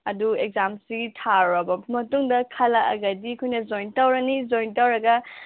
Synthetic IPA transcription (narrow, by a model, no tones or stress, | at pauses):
ɐduek̚zamsiɡitʰaɾɐbɐmɐtuŋdɐkʰɐlɐʔɐ̰ɡɐdikʰujnɐzojntɐwɾɐnizojntawɾɐɡɐ